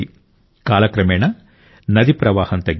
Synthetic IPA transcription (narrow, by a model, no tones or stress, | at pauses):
i | kaːlɐkɾɐmeːɳɐ | nɐd̪ipɾɐʋaːhɐnt̪ɐɡ